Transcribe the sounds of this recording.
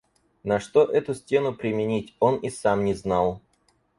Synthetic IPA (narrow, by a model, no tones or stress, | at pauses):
nɐʂt̪o̞ʔɛt̪ʊsʲtʲe̞nʊpɾʲɪmʲɪnʲitʲo̞nisamnʲɪznɑlˠ